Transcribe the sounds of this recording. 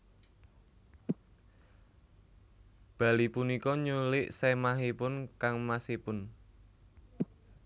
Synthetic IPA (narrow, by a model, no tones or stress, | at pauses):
b̥ä̤lipunikɔɲulɪʔsɛmaɦipʊnkaŋmasipʊn